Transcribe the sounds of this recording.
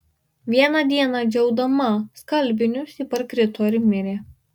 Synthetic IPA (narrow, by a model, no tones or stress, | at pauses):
ʋʲiɛnɐd̪ʲiɛnɑd͡ʒʲɛʊd̪ɐmɐskɐlʲˑbʲɪnʲʊsipɐɾkɾʲɪt̪oːɾʲmʲɪɾʲeː